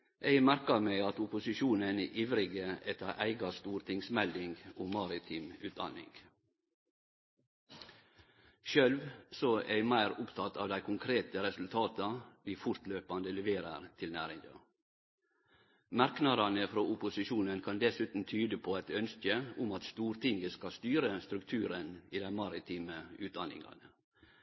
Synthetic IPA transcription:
ʔeɪɡmæɾkɑɾmɛɪɑt̪ʊpʊsɪʃuːnəneʔiːʋɾɪɡəɛt̪ːəɾʔæ̰ɪɡɑst̪uːɾt̪ʰɪŋsmɛld̪ɪŋɡoːmɑːɾɪt̪ʰiːmʉːt̪̚d̪ɑ̰nɪ̰ŋɡ̥ | ʃœlʋsɔʔæɪmæɪɾʊpt̪ʰɑt̪ʰɑːʋd̪æɪkʰʊŋkʰɾeːt̪əɾɛsʉlt̪ʰɑːt̪ɑʋiːfʊɾt̪løːpɑnd̪əlɛʋeːɾəɾt̪ʰɪlnæːɾɪŋɡɑ̰ | mɑɾknɑd̪ɑnəfɾoːʊpʊsɪʃuːnənkʰɑnd̪ɛsʉːt̪n̩t̪ʰyːd̪əpʰoæɛt̪œnskəʊmɑt̪st̪uːɾt̪ʰɪŋɡəskɑst̪yːɾəst̪ɾʉkt̪ʰʉːɾəniːd̪æɪmɑɾɪt̪ʰiːməʉːt̪̚d̪ɑnɪ̰ŋɑ̰nə

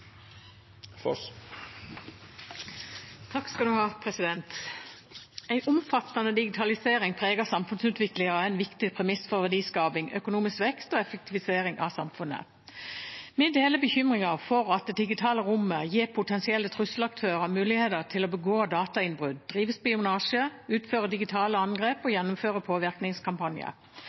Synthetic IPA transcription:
fɔ | t̪ʰɑkskɑld̪ʉhɑːpʰʁɛsɪd̪ɛnt̪ | æɪʔʊmfɑt̪ːɑnəd̪ɪɡɪt̪ʰɑlɪseːʁɪŋpʰʁeːɡəsɑmfʉnsʉːt̪ʋɪklɪŋəʁæɪnʋɪkt̪ɪpʰʁɛmɪsfɔʋæd̪iːskɑːbɪŋʔœ̰kʊnuːmɪskʋɛkst̪oːɛfək̚t̪ʰɪʋɪseːʁɪŋɑsɑmfʉnːə̰ | mɪd̪eːləbəçʏmʁɪŋɑʁfɔʁɑt̪̚d̪ɛd̪ɪɡɪt̪ʰɑːləʁʊməjiːʁpʰʊt̪ʰɛnsɪɛlːət̪ʰʁʉsl̩ɑk̚t̪ʰøːʁəmʉːlɪheːd̪əʁt̪ʰɪloːbəɡoːd̪ɑːt̪ɑɪnbʁʉd̪̚d̪ʁiːʋəspɪʊnɑːʂəʉːt̪føːʁəd̪ɪɡɪt̪ʰɑːləɑnɡʁeːpɔjɛnːʊmføːʁəpʰoːʋɪʁknɪŋskʰɑmpɑnjə̰

